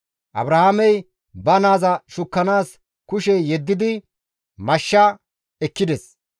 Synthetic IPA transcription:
ʔɐ̰bɾɐhamɛj | bɐnaːzɐʃʊkːɐnaːs | kʊʃɛjɛd̪ːɪd̪ɪ | mɐʃːɐ | ɛkːɪd̪ɛs

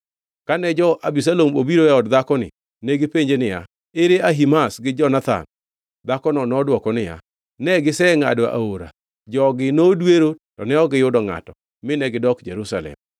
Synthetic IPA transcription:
kanɛd͡ʒɔʔabis̬alomo̰biɾoɛɔdd̪akɔnɪ̰ | neɡɪpeɲd͡ʒenɪja̰ | eɾeaɦimasɡɪd͡ʒɔnat̪a̰n | d̪akɔnɔnɔdwɔkɔnɪja̰ | nɛɡɪsɛŋa̰doʔa̰oɾa̰ | d͡ʒɔɡɪnodweɾotɔnɛɔɡɪjʊdɔŋa̰tɔ | mɪnɛɡɪdɔkd͡ʒḛɾusa̰lɛ̰m

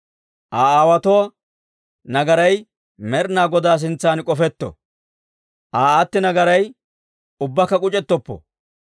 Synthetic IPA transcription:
ʔaːaːwɐt̪ɔwa | nɐɡɐɾɐj | mɛɾnaːɡɔd̪aːs̬ɪnt͡sːaːnkʼɔfɛt̪ːɔ̰ | ʔaːat̪ːɪnɐɡɐɾɐj | ʊbːɐkːɐkʼʊt͡ʃʼɛt̪ːɔpːɔ̰

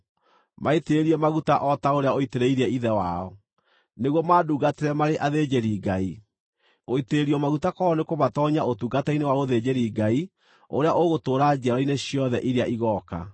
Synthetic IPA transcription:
maeteɾiɛmaɣutaʔɔtaoɾeaoiteɾeiɾɛiðɛwaɔ | neɣwɔmaːduɡateɾɛmaɾeʔaðed͡ʑeɾiːɡai | oiteɾiɔmaɣutakɔɔnekoβatɔɲaotuɡatɛinewaoðed͡ʑeɾiːɡai | oɾeaʔoɣotoːɾad͡ʒiaɾɔineɕjɔðɛʔiɾeaʔiɣɔka̰

